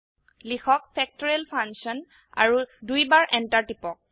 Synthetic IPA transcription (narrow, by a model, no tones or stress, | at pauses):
lixɔkpʰɛk̚tɔɹɛlpʰansɔn | a̰ɹudujbaɹʔɛntaɹtipɔk̚